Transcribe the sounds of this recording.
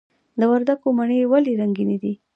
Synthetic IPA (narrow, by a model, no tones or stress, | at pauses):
d̪əwaɾd̪akomaɳewaleɾaŋɡined̪i